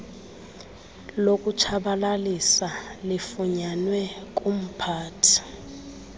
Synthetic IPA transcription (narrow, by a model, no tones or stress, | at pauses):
lokʼut͡ʃʰaɓalalisalifuɲanwɛkʼum̩pʰaːtʰi̥